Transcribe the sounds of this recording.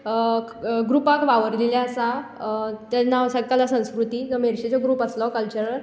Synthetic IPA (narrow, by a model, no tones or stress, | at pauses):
ɡɾupakʋaʋəɾleljaəsa | t̪anːasəɡkalasə̃w̃skɾut̪iːd͡zəmeɾɕet͡ɕɔɡɾuːpəslɔkəlt͡ɕəɾəɾ